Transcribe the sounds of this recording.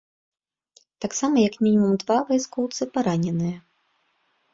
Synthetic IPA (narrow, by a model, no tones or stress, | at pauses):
t̪aksamɐjɐkmʲinʲimumd̪vavajskɔwt̪sɨpaɾanʲɛnɨjɐ